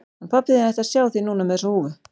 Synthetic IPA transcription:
ɛnpʰapːɪðɪnθɛht̪asjaːwθinuːnamɛsɔuːvʏ

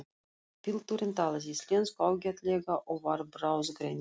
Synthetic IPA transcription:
pʲilˠt̪uɾʲɪnʲt̪ɑlˠɤzʲisʲlʲenskɑwɡʲet̪lʲeɡɑʔovɑrbrɑwzɡɾʲenʲ

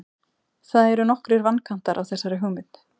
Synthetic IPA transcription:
θaðɛɾʏnɔhkɾɪɾvanːkʰan̥t̪aɾʔawθɛsːaɾɪɦœːmɪt̪n

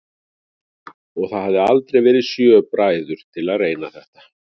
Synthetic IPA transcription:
ɔɣθaðhavðɪalt̪ɾejvɛːɾɪðsjœːpɾaːjðʏɾ̥t̪ʰɪlaðreːjnaθɛht̪ḁ

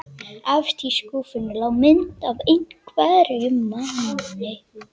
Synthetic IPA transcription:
avst̪ʰiskuːfʏnʏlawmɪnt̪avejŋkʰvaðɾjʏmːananɪ

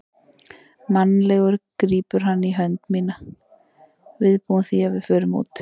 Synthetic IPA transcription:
manːlɛɣʏɾkɾiːpʏɾ̥ɦanːiɦœnt̪miːna | vɪðpuːʏnθiavɪðfœːɾʏmṵːt̪

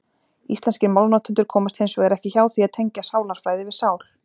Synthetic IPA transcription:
islɛnscɪmawlnat̪ʰʏnt̪ʏɾ̥kʰɔːmast̪hɪnsɔɛɾɛhcɪçaːwθiaðt̪ʰejɲcasaːwlaɾ̥fɾaːjðɪvɪðsaːwl

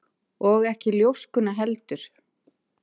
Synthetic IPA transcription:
ɔɣɛhcɪljowskʏnːaɦɛlt̪ʏɾ̥

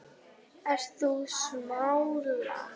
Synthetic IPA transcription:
ɛr̥θusmawɾla̰

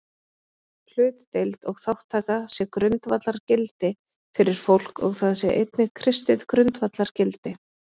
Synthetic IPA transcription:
l̥ʏːt̪t̪ejlt̪ɔɣθawht̪ʰːaːkasjɛkɾʏnt̪vat̪laɾcɪlt̪ɪ | fɪɾɪɾ̥fowl̥kɔ̰ɣθaðsjɛʔejt̪nɪkʰɾɪst̪ɪðkɾʏnt̪vat̪laɾ̥cɪlt̪ɪ

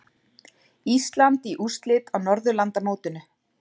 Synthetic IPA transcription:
ist̪lant̪iʔust̪lɪt̪awnɔɾðʏlant̪amoːwt̪ʏnʏ

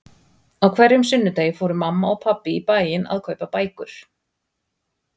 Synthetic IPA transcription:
awkʰvɛɾjʏmsʏnːʏt̪eːjɪfoːwɾʏmamːaɔɣpʰapːɪipaːjɪna̰ðkʰœːɥpapaːjkʏɾ̥

